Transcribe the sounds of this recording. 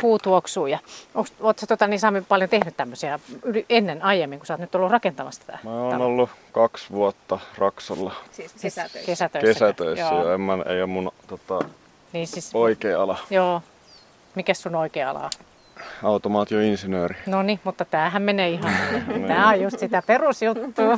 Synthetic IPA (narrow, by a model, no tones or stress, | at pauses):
puːt̪uoksuːjɑoŋksoːt̪sɑt̪ot̪ɑniːsɑmipɑljont̪ehnyt̪t̪æmːøsiɑylienːenɑijemːiŋkusɑːt̪nyt̪olːurrɑkent̪ɑmɑst̪æ̥t̪æ̰mæːoːnolːukɑksʋuot̪ːɑrɑksɑlːɑsskesæt̪økesæt̪øisːæjoemːænḛiomunt̪ot̪ɑ | niːsisoikeːɑlɑjoː | mikæssunoikeːɑ̰lɑ̰ | ɑut̪omɑːt̪ioinsinøːrinonimut̪ːɑt̪æːhæmmeneːihɑnt̪æːojjust̪sit̪æperusjut̪ːuː